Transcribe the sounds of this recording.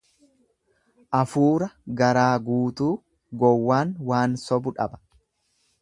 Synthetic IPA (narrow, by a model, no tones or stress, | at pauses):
ʔɐfuːɾɐɡɐɾaːɡuːt̪uː | ɡɔwːaːnwaːnsɔbʊᶑɐ̰bɐ̥